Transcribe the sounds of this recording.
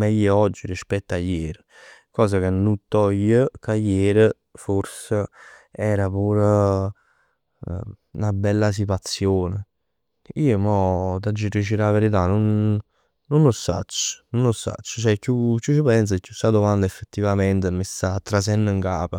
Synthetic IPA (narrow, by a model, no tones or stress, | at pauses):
mɛjːəɔd͡ʒːiɾispɛt̪ːajːeːɾə | kɔːsakenːut̪ːɔjːəkajːeːɾə | foɾsəɛːɾapuːɾ | ṵnabɛlːas̬it̪̬wat̪sːjoːnə | iːomɔt̪ad͡ʒːiɾit͡ʃiɾaveɾit̪̬anonː | onlosa̰t͡ʃːə̥nonːosːa̰t͡ʃːə̥t͡ʃɛkːjukːut͡ʃipɛns̬akːjusad̪omand̪aefːet̪ːivament̪əmist̪at̪ːɾas̬ɛnːəŋkaːpa